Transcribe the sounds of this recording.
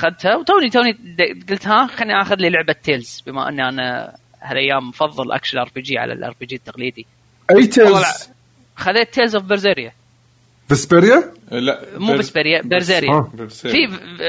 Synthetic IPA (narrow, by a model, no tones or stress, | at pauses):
ʔaxaðt̪hawt̪oːnit̪oːnid̪ɡəlt̪haxanːiʔaxʊðliːlʊʕbat̪ːeːlz̥bɪma̰ʔɪ̰nːiʔana̰ | halʔajːaːmːfɑðˤːɨlʔa̰kʃalʔɑɾˤfid͡ʒiʕa̰la̰lʔɑ̰ɾfid͡ʒiːt̪ːaqliːd̪i | ʔajːt̪ʰeːlːl | xaðeːt̪ʰːeːlzafibɪɾzeːɾja | bɪsbɪɾja | muːbɪsbɪɾjabɪɾzeːɾjaːfi